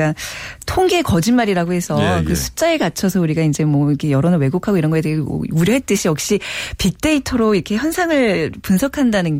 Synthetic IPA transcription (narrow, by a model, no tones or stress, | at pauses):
atʰoŋɡe̞kʌd͡ʑinmaɾiɾaɡohe̞sʰʌkɯsʰu̥t͡ɕ͈aeɭɡat͡ɕʰʌsʰʌuɾiɡaind͡ʑe̞mwʌikʰejʌɾʌnɯɭwe̞ɡokʰaɡoiɾʌnɡʌedḛuɾjʌɦe̞t͈ɯɕʰijʌk̚ɕ͈ipik̚t͈e̞itʰʌɾoiɾʌkʰe̞çjʌnsʰaŋɯɭpunsʰʌkʰandanɯn